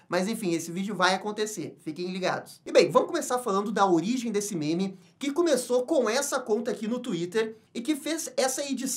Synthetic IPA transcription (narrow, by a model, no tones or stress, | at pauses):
mɐzẽfĩesɪvid͡ʒʊvajakõnt̪eseɾfikẽliɡa̰d̪ʊsɪbẽj̃vɐ̃mʊkomesaɾfalɐ̃nd̪ʊd̪ɐoɾiʒẽj̃d̪esɪmẽmɪ | kɪkomesokõw̃ɛsɐkõnt̪ɐakinʊt̪uit̪eɾ | ɪkɪfezɛsɐed͡ʒis